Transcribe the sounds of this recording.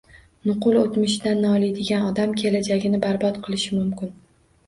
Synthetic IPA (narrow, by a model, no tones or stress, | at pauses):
nʊqʊlˠot̪mɪʃd̪anːɒlˠajd̪ɪɡʲanɒd̪amkʲʰe̞lad͡ʒaɡʲɪnɪbaɾbɒt̪qʰɨlˠɪʃɪmʊmkʲɪn